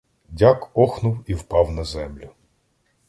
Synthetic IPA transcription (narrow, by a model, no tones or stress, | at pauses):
dʲakɔxnʊwiwpɑwnɐzɛmlʲʊ